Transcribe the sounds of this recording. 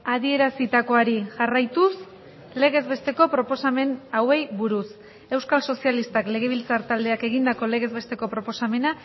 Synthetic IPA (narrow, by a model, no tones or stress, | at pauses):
að̞ie̞ɾasit̪ako̞aɾiʝarajt̪us | le̞ɣ̞e̞zβe̞st̪e̞ko̞pɾo̞po̞same̞nawe̞jβuɾus | e̞wskalso̞sialist̪akle̞ɣ̞e̞β̞ilt͡saɾt̪ald̪e̞ake̞ɣ̞ind̪ako̞le̞ɣe̞zβe̞st̪e̞ko̞pɾo̞po̞same̞na